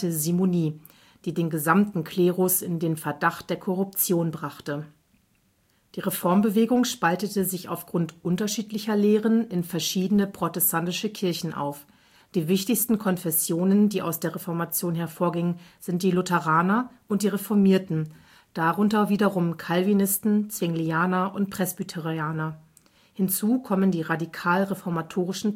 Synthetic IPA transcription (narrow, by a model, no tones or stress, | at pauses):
əzimoniː | d̥iːdeːnɡəzamtn̩kʰleːʁʊsɪndeːnfɛɐdaχt̚d̥eːɐkʰɔʁʊp̚t͡sjoːnbʁaχtə | d̥iːʁefɔɐmbəveːɡʊŋʃpaltətəzɪça̰ʊfɡ̥ʁʊntʔʊntɐʃiːtlɪçɐleːʁənɪnfɛɐʃiːdənəpʁ̥otɛstʰantɪʃəkʰɪɐçn̩ʔa̰ʊf | d̥iːvɪçtɪçstn̩kʰɔnfɛsjoːnəndiːʔa̰ʊsd̥eːɐʁefɔɐmat͡sjoːnɦɛɐfoːɐɡɪŋənz̥ɪnt̚d̥iːlʊtɛʁaːnɐʔʊnt̚d̥iːʁefɔɐmiːɐtn̩ | d̥aʁʊntɐviːdɐʁʊmkʰalvinɪstn̩t͡sv̥ɪŋliaːnɐʔʊntpʁ̥ɛsb̥ytʰɛʁiaːnɐ | hɪnt͡suːkʰɔməndiːʁadikʰaːlʁefɔɐmatʰoːʁ̞ɪʃn̩